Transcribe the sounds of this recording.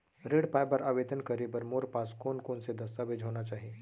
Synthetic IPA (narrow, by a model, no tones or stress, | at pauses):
ɾeːɽpaːjbəɾaːʋeːd̪ənkɐɾebəɾmoːɾpaːskoːnkoːnsed̪ɐst̪abeːd͡ʒɦoːnat͡ʃaːɦieː